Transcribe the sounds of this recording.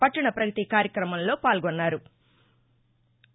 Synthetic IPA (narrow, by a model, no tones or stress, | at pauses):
pɐʈːiɳɐpɾɐɡɐt̪ikaːɾjɐkɾɐmɐmlo̞ːpaːlɡonːaːɾu